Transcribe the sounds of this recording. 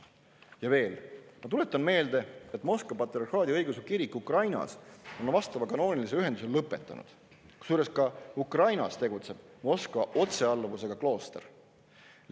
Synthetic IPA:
jɑve̞ːlmɑt̪ule̞t̪ːˑɑnme̞ːld̪̥e̞et̪ːˑmo̞skvɑpɑt̪ːˑɾiɑrxhɑːd̪iɤjɡusekiɾikːˑukrɑjnɑ̰so̞nvɑst̪ɑvɑkɑno̞ːnilis̬e̞yɦend̪use̞llɤpːˑe̞t̪ˑːɑ̰nṵd̪̥ | suːɾe̞skɑukrɑjnɑ̰st̪e̞ɡut̪se̞b̥̚ | mo̞skvɑʔo̞t̪se̞ɑlːvuse̞ɡ̥ɑklo̞ːst̪er

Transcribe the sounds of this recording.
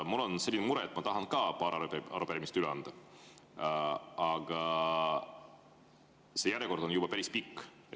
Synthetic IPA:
mulːo̞nse̞lʲːinemuɾeet̪ːˑmɑt̪ɑɦɑnkɑːpɑːɾɑɾuʔɑ̰ɾupeɾimist̪yleɑnd̪̥ɑ | ɑɡ̥ɑ | se̞jæɾjeko̞rd̪o̞njub̥ɑpæɾispikː

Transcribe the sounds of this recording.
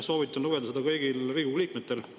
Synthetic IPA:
so̞ːvit̪ːˑɑnluved̪ɑsed̪ɑkɤjɡilriːɡuliːk̚met̪ːˑe̞l

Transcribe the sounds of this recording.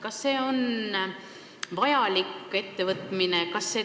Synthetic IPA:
kɑsːe̞ːo̞n | vɑjɑlike̞t̪ːe̞vɤt̪ˑmine̞kɑsːe̞ː

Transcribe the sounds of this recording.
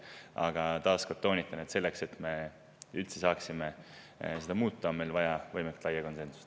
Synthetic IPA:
ɑɡ̥ɑt̪ɑːskot̪ːˑo̞ːnʲit̪ːˑɑned̪se̞lːe̞kse̞t̪me̞ | ylt̪se̞sɑːksime | se̞d̪ɑmuːt̪ːˑɑme̞lvɑjɑvɤjmekt̪lɑjːɑko̞nse̞nsu̥s

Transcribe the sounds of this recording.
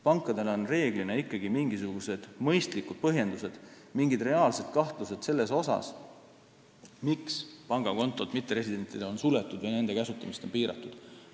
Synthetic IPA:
pɑŋkːˑɑd̪̥e̞lo̞nre̞ːɡ̥line̞ikˑːɑɡ̥imiŋɡisuɡ̥use̞d̪̥mɤ̞jst̪likud̪̥̚pɤɦje̞nd̪use̞d̪̥ | miŋɡid̪re̞ɑːlse̞d̪̥̚kɑht̪luse̞d̪se̞lːe̞so̞sɑ̰s | mikspɑŋɡ̥ɑko̞nt̪ːˑo̞t̪mit̪ːeɾe̞sid̪̥e̞nt̪ːˑid̪eo̞nsulet̪ːˑud̪̥vɑjne̞nd̪e̞kæsut̪ːˑɑmist̪o̞mpiːɾɑ̰t̪ːˑud̪̥

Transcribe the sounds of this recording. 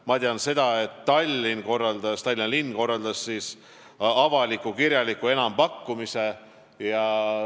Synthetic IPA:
mɑt̪ʲiɑnse̞d̪̥ɑe̞t̪ːɑlʲːinko̞rːɑld̪ɑst̪ɑlʲːinlinːko̞rːɑld̪̥ɑsːiːs | ɑvɑlikːˑukiɾjɑlikːˑue̞nɑmpɑkːumise̞ | jɑ

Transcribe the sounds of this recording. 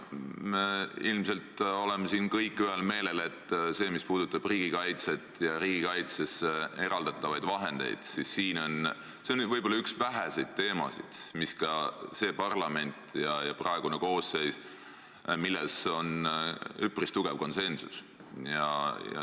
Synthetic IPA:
meilmse̞lt̪o̞lemesiːnkɤjkːˑyɦelme̞ːle̞le̞t̪ːˑse̞ːmispuːd̪̥ut̪ːˑɑb̥riːɡ̥ikɑjt̪se̞t̪ːˑjɑɾiːɡikɑjt̪se̞see̞ɾɑld̪ɑt̪ːˑɑvɑjd̪̥vɑɦe̞nd̪̥e̞̰jd̪̥sisːiːno̞n | seonvɤjb̥olːɑyksvæɦæsejd̪̥̚t̪e̞ːmɑ̰sḭd̪̥miskɑse̞ːpɑrlɑme̞nʲt̪ˑjɑjɑprɑe̞ɡ̥uneko̞ːse̞js | milːeso̞n | ypːˑrist̪uɡ̥evko̞nse̞nsus | jɑ̰jɑ̰

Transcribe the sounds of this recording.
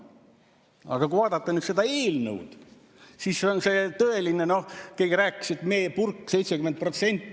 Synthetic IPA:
ɑ̰ɡ̥ɑkuvɑːd̪ɑt̪ːenyt̪se̞d̪ɑe̞ːlnɤ̰wd̪̥ | sisːeonse̞t̪ɤe̞lineno̞hke̞ːɡiɾæːkːˑi̥sit̪me̞ːpurkːse̞jt̪sekyment̪̚pro̞t̪se̞nʲt̪ːˑ

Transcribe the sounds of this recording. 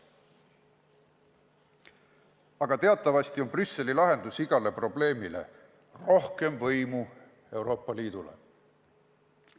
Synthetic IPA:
ɑɡ̥ɑt̪e̞ɑt̪ːˑɑvɑst̪io̞nbrysːe̞lilɑɦe̞nd̪̥usiɡ̥ɑle̞pro̞ble̞ːmile̞̰ | ro̞hke̞mvɤjmu | e̞uwɾo̞ːpːˑɑliːd̪̥ulḛ

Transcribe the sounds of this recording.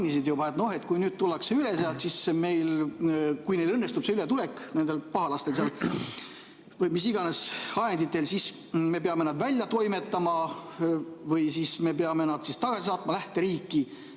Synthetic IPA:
nisid̪jubɑe̞t̪no̞he̞t̪kujnyːd̪̥̚t̪ulːɑkseyle̞seɑt̪sisme̞jl | kujne̞jlɤnːe̞st̪ub̥seylet̪ule̞kne̞nd̪elpɑɦɑlɑst̪els̬eɑl | vɤjmis̬iɡ̥ɑne̞sɑjend̪it̪ːˑe̞lsis | me̞peɑme̞nɑd̪vælʲjɑt̪o̞jme̞t̪ˑːɑmɑ | vɯjsisme̞peɑme̞nɑd̪̥sist̪ɑɡ̥ɑsisɑːt̪ˑmɑlæht̪e̞ɾiːkːˑi

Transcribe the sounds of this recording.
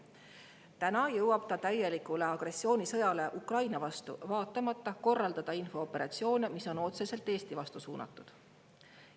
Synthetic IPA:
t̪ænɑjɤwɑb̥t̪ɑt̪æje̞likule̞ɑɡ̥re̞sːio̞ːnisɤ̞jɑle̞ʔukrɑjnɑvɑst̪ṵvɑːt̪ːˑɑmɑt̪ːɑko̞rːɑld̪̥ɑd̪̥ɑinfo̞ːpːe̞ɾɑ̰t̪sio̞ːnemiso̞no̞t̪se̞se̞lt̪ːˑe̞ːst̪ivɑst̪usuːnɑ̰t̪ːˑud̪̥

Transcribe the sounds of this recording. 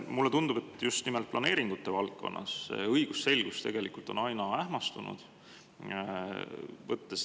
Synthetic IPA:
mulːe̞t̪und̪ub̥e̞t̪ːˑjust̪nimelt̪̚plʔɑne̞ːɾiŋɡ̥ut̪ːe̞vɑlkːo̞̰nːʔɑ̰sːḛɤjɡ̥usːe̞lɡ̥ust̪eɡ̥e̞likult̪o̞nɑjnɑæhmɑst̪unṵd̪̥ | vɤ̰t̪ːes

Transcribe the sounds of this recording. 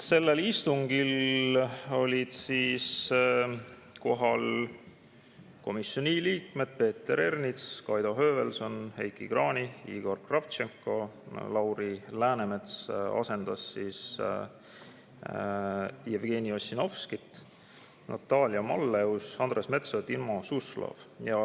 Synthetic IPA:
se̞lːe̞list̪uŋɡ̥il | o̞lʲid̪̥siːs | ko̞ɦɑl | ko̞misːjo̞niliːkme̞d̪̥̚pe̞ːt̪ːe̞ɾe̞rnit̪skɑjd̪o̞ɦøːve̞lso̞nhe̞̰jkiɡrɑːniḭːɡ̥o̞rkrɑft̪t͡ʃeŋkːo̞lɑwɾilæːneme̞t̪sɑ̰se̞nd̪̥ɑsːiːs | jevɡ̥e̞niosːino̞fskit̪ːˑ | nʔɑ̰t̪ːˑɑːlʲiɑmɑlːe̞usɑnd̥̪resme̞t̪sot̪ilmosuslɑ̰vjɑ

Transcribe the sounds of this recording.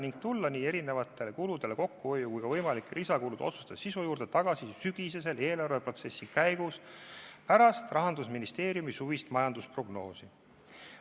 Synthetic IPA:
niŋɡ̥t̪ulːɑniːe̞ɾine̞vɑt̪ːˑe̞le̞kulud̪e̞le̞ko̞kːuho̞jːukujkɑvɤjmɑlikːˑlʔisɑkulud̪o̞̰t̪su̥st̪ɑ̥sisujuːɾd̪̥e̞t̪ɑɡ̥ɑsisyɡ̥is̬e̞s̬e̞le̞ːlɑrve̞pro̞t̪se̞sːikæjɡ̥uspæɾɑst̪rɑɦɑnd̪̥usminist̪e̞ːɾjumisuvist̪mɑjɑnd̪̥uspro̞ɡno̞ːsi

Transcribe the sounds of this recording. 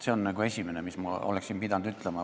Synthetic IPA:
se̞o̞nːɑɡ̥ue̞sʲime̞nemismɑoleksimpid̪ɑnd̪yt̪ˑlemɑ

